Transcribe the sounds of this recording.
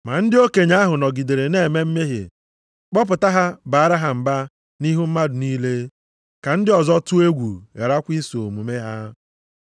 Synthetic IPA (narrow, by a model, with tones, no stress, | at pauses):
ma˨n̩˦dɪ˦o˦ke˨ɲa˦ɦʊ˨nɔ˨ɡi˨de˨ɾe˨ne˦˨me˦m̩˦me˦ɦḛ˨ | k͡pɔ˦p̬ʊ˨ta˦ɦa˦ba˨a˦ɾa˦ɦa˨m̩˨ba˦ | ni˦ɦu˦m̩˦ma˦dʊ˨niː˦le˦ | ka˨n̩˦dɪ˦ɔ˨zɔ˦tu˦e˦ɡʷṵ˨ḛ˨ɾa˦kʷi˦so˨mu˨me˦ɦa˦